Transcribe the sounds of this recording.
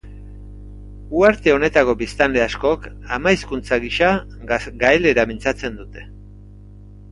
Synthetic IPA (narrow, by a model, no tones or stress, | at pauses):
uaɾt̪e̞o̞ne̞t̪ako̞bist̪anle̞asko̞k | amajskunt͡saɣiʃa | ɡaele̞ɾamint͡sat͡se̞nd̪ut̪e̞̥